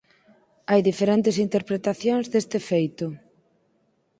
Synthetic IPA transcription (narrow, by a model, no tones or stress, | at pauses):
ajðifeɾent̪ɪsint̪eɾpɾet̪aθjoŋzðest̪ɪfejt̪ʊ